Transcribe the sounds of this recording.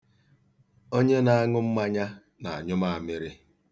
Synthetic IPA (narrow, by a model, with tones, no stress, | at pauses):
o˦ɲe˦na˨a˦ŋʊ˦m̩˦ma˦ɲa˦ | na˨a˨ɲʊ˦ma˦a˨mɪ˦ɾɪ˦